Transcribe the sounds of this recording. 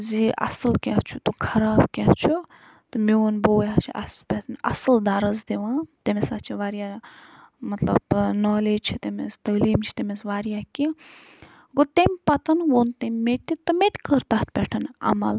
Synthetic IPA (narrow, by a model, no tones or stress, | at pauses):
ziʔɐ̰səlkʲat͡ʃʰut̪ukʰɐɾaːbkʲɛht͡ʃʰu | t̪ɨmeonboːjat͡ʃʰiʔɐ̰spʲɛt̪ʰnɐ̰səld̪aːɾɐzd̪eʋãːt̪emesat͡ʃʰiʋaːɾja | mɐt̪lɐ̰bnɔːleːd͡ʒt͡ʃʰit̪emest̪ɐliːmt͡ʃʰi̥t̪emesʋaːɾjaki | ɡot̪emʲpɐt̪ɐnwont̪emʲmett̪ːit̪ɨmet̪ʲkəɾt̪aːt̪̚pʲɛʈʰɐnɐ̰mɐ̰l